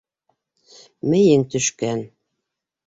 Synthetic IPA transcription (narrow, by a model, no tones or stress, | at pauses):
mɘ̆jɘŋt̪ɵ̆ʃkæn